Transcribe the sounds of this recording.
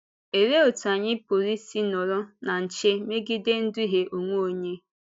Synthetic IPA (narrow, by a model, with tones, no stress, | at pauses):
e˨ɾe˦o˨ta˨ɲɪ˦po˨ɾi˦si˦nɔ˨ɾʊ˦na˨n̩˨t͡ʃe˦me˦ɡi˦de˦n̩˦dʊ˦i˦ɦe˦ʔo˨ŋʷo˦o˨ɲe˦